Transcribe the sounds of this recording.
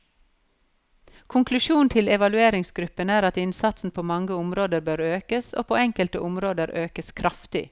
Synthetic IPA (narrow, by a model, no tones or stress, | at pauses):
kʰʊŋklʉʃuːnt̪ʰɪlɛʋɑlʉeːɾɪŋsɡɾʉpənæːɾɑt̪ɪnsɑt̪sn̩pʰoːmɑŋɡəʊmɾoːd̪əɾbøːɾøːkəso̰ːpʰo̰ːɛŋkəlt̪əʔʊmɾoːd̪əɾʔøːkəskʰɾʔɑft̪ɪ̰